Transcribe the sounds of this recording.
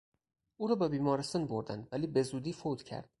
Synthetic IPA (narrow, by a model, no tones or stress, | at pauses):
ʔuːɾɒːbebiːmɒːɾest̪ɒnboɾd̪ænd̪væliːbe̞zuːd̪iːfod̪̥cʰæ̰ɾd̪̥